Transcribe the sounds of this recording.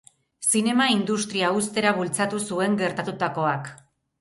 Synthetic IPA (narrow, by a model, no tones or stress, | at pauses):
sine̞maind̪ust̪ɾiaust̪e̞ɾaβult͡sat̪usue̞ŋɡe̞ɾt̪at̪ut̪ako̞ak